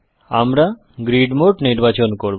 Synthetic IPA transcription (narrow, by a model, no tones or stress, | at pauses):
a̰mɾa | ɡɾiɖmoʈniɾbat͡ɕonkoɾ